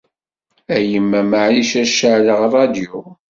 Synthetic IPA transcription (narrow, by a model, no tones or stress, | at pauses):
æjəmːæmaʕliʃæʃəʕləʁrˤɑd̪ju